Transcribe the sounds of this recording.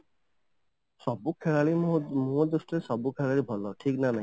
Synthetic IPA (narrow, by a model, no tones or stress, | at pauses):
sɔbukʰeɭaɭimuod̪usʈɔɾesɔbukʰeɭaɭibʱɔlɔʈʰiknanaɦi